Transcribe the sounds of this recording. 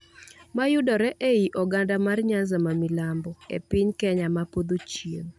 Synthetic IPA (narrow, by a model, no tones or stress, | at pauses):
majʊdɔɾɛʔeiʔɔɡandamarɲanzamamilambɔḛpɪɲkɛɲamapod̪ot͡ʃjen